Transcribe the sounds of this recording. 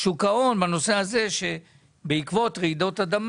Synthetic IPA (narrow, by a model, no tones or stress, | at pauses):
ʃukao̞nbano̞se̞aze̞ʃe̞ | beikvo̞t̪ʁeid̪o̞t̪ad̪am